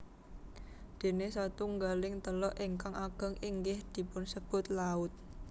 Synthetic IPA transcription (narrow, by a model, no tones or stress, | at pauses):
d̪̥e̤nesɔt̪uŋɡalɪŋt̪əlɔʔiŋkaŋaɡ̥a̤ŋiŋɡɪhd̪̥i̤pʊnsəb̥ʊ̤t̪̚laʊt̪̚